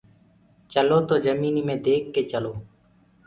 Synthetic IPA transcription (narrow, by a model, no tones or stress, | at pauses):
t͡ʃəloːt̪oːzəmiːniːmẽːd̪eːkːeːt͡ʃəloː